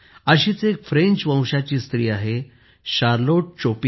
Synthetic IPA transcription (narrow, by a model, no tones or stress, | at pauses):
əɕiːt͡sekfɾẽɲt͡ɕʋə̃w̃ɕat͡ɕiːst̪ɾiːaɦe | ɕaɾloʈ̚t͡ɕopi